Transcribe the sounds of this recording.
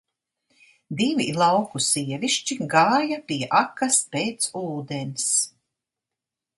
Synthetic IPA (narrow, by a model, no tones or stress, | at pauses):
d̪ivilˠawkusiɛviʃt͡ʃiɡaːjapijɛʔakɐspeːt̪suːd̪ens